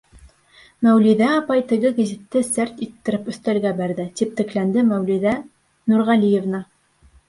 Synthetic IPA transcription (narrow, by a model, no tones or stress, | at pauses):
mæwliðæɑpɑjt̪ɘ̆ɣɘɡæzʲit̪ːɘsæɾt̪it̪ːɘ̆ɾɘpɵ̆θt̪ælɡæbæɾðɘt̪ip̚t̪ɘ̆klænd̪ɘmæwlʲiðæ | nuɾʁælijevnɑ